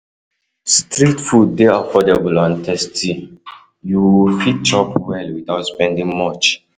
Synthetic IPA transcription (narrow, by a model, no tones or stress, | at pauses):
stɹitfud̚deafɔdabəlɔ̃ntʰɛstʰi | jufitt͡ʃɔpwɛlwitawtspɛ̃ndĩŋmɔt͡ʃ